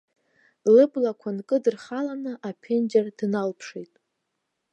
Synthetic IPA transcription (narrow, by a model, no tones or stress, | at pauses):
lɨblakʷʰankʼɨdɨrχalanɨʔapʰend͡ʒardnalpʰʂejtʼ